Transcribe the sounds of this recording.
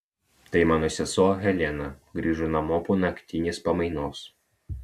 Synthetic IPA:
t̪ɐɪmɑːnoːsʲɛsoːɦʲɛlʲɛnɐɡɾʲiːʒunɐmɔːpuːnɐkʲt̪ʲɪnʲeːspɐmɐɪnoːs

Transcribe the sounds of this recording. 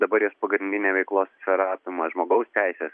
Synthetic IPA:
d̪ɐbɐɾjoːspɐɡɾʲɪnd̪ʲɪnʲeːʋʲɛɪklˠoːssʲfʲɛɾɑːp̪ʲɪmɐʒmoːɡɐʊst̪ʲæɪsʲeːs

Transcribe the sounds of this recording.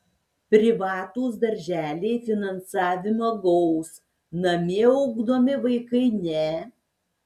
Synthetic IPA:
pʲɾʲɪʋɑːt̪oːs̬d̪ɐɾʲʒʲæːlʲeɪfʲɪnɐnsɑːʋʲɪmɐɡɔʊs | nɐmʲeɐʊɡd̪oːmʲɪʋɐɪkɐɪnʲɛ

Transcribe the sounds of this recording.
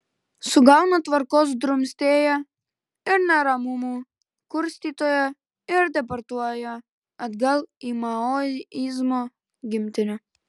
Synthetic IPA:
suɡalnɔt̪ʋaɾkɔz̬d̪ɾumst̪eja | iɾnaɾamumu | kuɾst̪it̪oja | iɾd̪ɛp̬aɾt̪uajaː | d̪ɡalˠimaɔizmɔ | ɡimt̪inʲa

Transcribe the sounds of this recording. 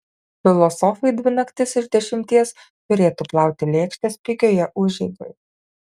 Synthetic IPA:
fʲɪlˠɔsɔfɐɪd̪ʲʋʲɪnɐkt̪ʲɪsɪɾd̪ʲɛʃʲɪmʲt̪ʲiɛs | t̪ʊɾʲeːt̪uːplˠɑˑʊt̪ʲɪlʲeːkʃʲt̪ʲeːspʲɪɡʲoːjɛʔʊʒʲɛɪɡ̪o̰j

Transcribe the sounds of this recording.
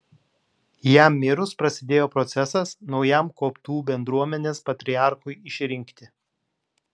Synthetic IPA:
jæmːʲɪɾʊspɾɐsʲɪd̪ʲeːjoːpɾɔt̪sʲɛsɐsnɒʊjæˑmkoːpt̪uːbʲɛnd̪ɾuɔmʲɛnʲeːspɐt̪ʲɾʲɪɑˑɾxʊɪɪʃʲɾʲɪŋʲˑkt̪ʲɪ

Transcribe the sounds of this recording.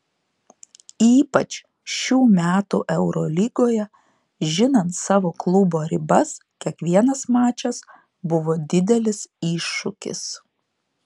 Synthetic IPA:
iːpɐt͡ʃʲ | ʃʲuːmʲæːt̪ṵːʔɛʊɾɔlʲiːɡoːjɛ | ʒʲɪnɐnt̪sɑːʋoːklˠʊboːɾʲɪbɐskʲiɛkʋʲiɛnɐsmɑːt͡ʃʲɛs | bʊʋoːd̪ʲɪd̪ʲɛlʲɪsiːʃːʊkʲɪ̰s

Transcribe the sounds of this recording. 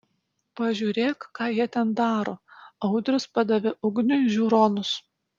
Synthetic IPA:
pɐʒʲuːɾʲeːkːɑːjiɛt̪ʲɛnd̪ɑːɾoːɐʊd̪ʲɾʲʊspɐd̪ɐʋʲɪʔʊɡnʲʊʒʲuːɾoːnʊs

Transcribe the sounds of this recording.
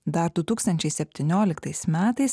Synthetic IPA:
d̪ɐɾd̪ʊt̪uːkst̪ɐnʲt͡ʃʲɛɪsʲɛpʲt̪ʲɪnʲoːlʲɪkt̪ɐɪsmʲæːt̪ɐɪs

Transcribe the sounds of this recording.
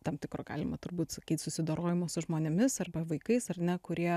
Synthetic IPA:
t̪ɐmt̪ʲɪkɾoːɡ̥ɑ̰ːlʲɪmɐt̪ʊɾbuːt̪sɐkʲiːt̪ʲsʊsʲɪd̪oːɾoːjɪmoːsʊʒmoːnʲɛmʲɪsɐrbɐʋɐɪkɐɪsɐrnʲɛkʊɾʲiɛ

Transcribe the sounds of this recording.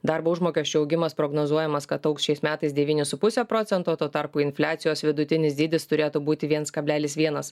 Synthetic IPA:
d̪ɑɾboːʊʒmoːkʲɛsʲt͡ʃʲʊɐʊɡʲɪmɐspɾoːɡnoːzuɔjɛmɐskɐt̪ɐʊksʲt͡ʃʲɛɪsmʲæːt̪ɐɪsd̪ʲɛʋʲiːnʲɪsʊpʊsʲɛpɾɔːt̪sʲɛnt̪oːt̪oːt̪ɐɾpuːɪnʲfʲlʲæːt̪sʲɪjoːsʋʲɪd̪ʊt̪ʲɪnʲɪsd̪ʲiːd̪ʲɪst̪ʊɾʲeːt̪uːbuːt̪ʲɪʋʲiɛnskɐbʲlʲæːlʲɪsʋʲiɛnɐs

